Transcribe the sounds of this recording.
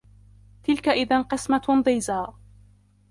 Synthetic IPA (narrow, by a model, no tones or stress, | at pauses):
t̪ɪlkaʔɪðanqɨsmad̪ˤɨjzaː